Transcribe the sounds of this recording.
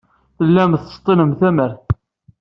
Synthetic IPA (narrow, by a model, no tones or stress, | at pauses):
θəlːæmθə̥st̪ˤːinəmθæməɾ